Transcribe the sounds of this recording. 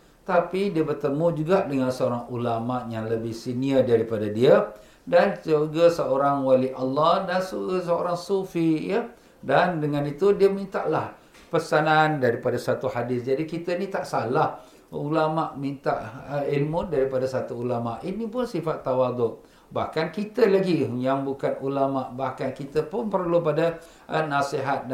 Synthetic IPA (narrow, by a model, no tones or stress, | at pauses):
t̪apidiəbərt̪əmũd͡ʒuɡaʔdəŋansəoɾaŋulamaʔjaŋləbɪhsiniədaɾipadadiə | dansəoɡasəoɾaŋwaliʔalːɑhdansuɡsəoɾaŋsufijə | dandəŋãnit̪udiəmĩnt̪aʔlah | pəsanandaɾipadasat̪uhadɪsd͡ʒadikit̪ənit̪aʔsalah | ulamaʔmint̪aʔilmʊt̪̚daɾipadasat̪uːlamaʔinĩpʊnsifat̪ːawad̪ʊʔ̚ | ba̰hkankit̪əlaɡijaŋbukanulamaʔbahkankit̪əpʊnpərlupada | ənasiɦat̪̚d